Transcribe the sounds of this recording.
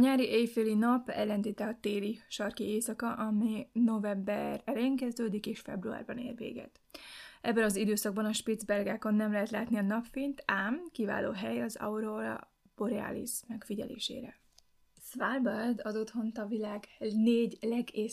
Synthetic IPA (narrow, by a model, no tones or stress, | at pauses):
ɒɲaːɾiʔeːjfeːlinɒpɛ̰lːɛnd̪iːt̪ɛɒt̪eːliʃɒrkieːsɒkɒʔɒmino̞vɛmbɛrɛleːŋkɛzd̪øːd̪ikeːʃfɛ̰brua̰ːrbɒnḛːrvḛːɡɛ̰t̪ | ʔɛbːɛnɒzid̪øːsɒɡ̚bɒnɒʃpid̪zbɛrɡaːko̞nːɛmlɛɦɛt̪laːt̪niɒnɒpfint̪aːmkiva̰ːlo̰ːɦɛjɒzɒ̰uɾolɒ̰ | boɾɛa̰ːlḭsmɛkfiɟɛ̰lḛːʃḛːɾɛ̰ | svalbɛrd̪ɒd̪ot̪ho̞nt̪ɒvilaːɡneːɟlɛɡeː